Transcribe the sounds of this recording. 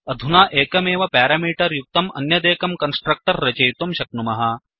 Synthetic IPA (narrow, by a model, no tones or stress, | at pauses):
ɐd̪ʱunaːʔeːkɐmeːʋɐpaːɾaːmiːʈɐɾjuk̚t̪ɐmɐ̰njɐd̪eːkɐmkɐnsʈɾɐk̚ʈɐɾːɐt͡ʃɐjt̪umʃɐk̚numɐɦɐ